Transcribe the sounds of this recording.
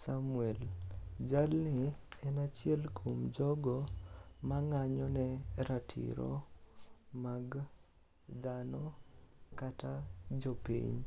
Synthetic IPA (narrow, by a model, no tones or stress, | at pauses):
samuɛld͡ʒalnɪɛnat͡ʃɪɛlkʰomd͡ʒɔɡɔmaŋaɲɔnɛɾatʰḭɾɔ̰ | maɡ | d̪anɔ | katad͡ʒɔpḭɲ